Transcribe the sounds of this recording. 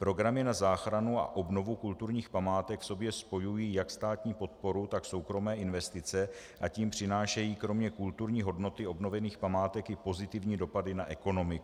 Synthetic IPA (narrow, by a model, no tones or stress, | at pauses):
pɾo̞ɡɾamɪnazaːxɾanua̰ʔo̞bno̞vukult̪uɾɲiːxpamaːt̪ɛkfso̞bjɛspo̞jujiːjakst̪aːt̪ɲiːpo̞t̪̚po̞ɾut̪akso̞wkɾo̞mɛːʔɪnvɛst̪ɪt͡sɛ | ʔaciːmpr̝̥ɪnaːʃɛjiːkɾo̞mɲɛkult̪uɾɲiːɦo̞dno̞t̪ɪo̞bno̞vɛniːxpamaːt̪ɛkɪpo̞zɪt̪ɪvɲiːdo̞padɪnaʔɛko̞no̞mɪk